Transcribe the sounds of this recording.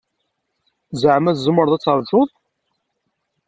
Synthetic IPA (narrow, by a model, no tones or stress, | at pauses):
zʕmæθzəmːəɾˤðˤæt͡sːəɾˤʒʊðˤ